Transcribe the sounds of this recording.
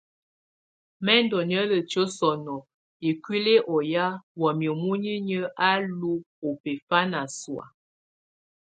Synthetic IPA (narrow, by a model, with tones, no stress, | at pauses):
mɛ˦ndɔ˨n˨ə˦lə˨t͡ʃə˦sɔ˨nɔ˨ | e˨kwi˦le˦ʔɔ˨ja˦wɔ˨mjə˨mu˦ɲi˦ɲə˦ʔa˦lu˦ | o˨pe˨fa˦na˨swa̰˨